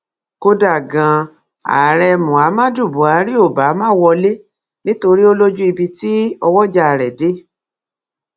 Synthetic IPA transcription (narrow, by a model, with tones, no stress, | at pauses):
ko˧da˨ɡã˨˧ | a̰˨ɾɛ˧mũ˨a˨˦mã˦du˦˨bu˨˦a˨˦ɾi˦o˦˨ba˨˦mãː˦wɔ˧le˦ | nĩ˦to˧ɾi˦o˦lo˦d͡ʒu˦i˧bi˧ti˦ɔ˧wɔ˦d͡ʒa˧˨ɾɛ˨de˨˦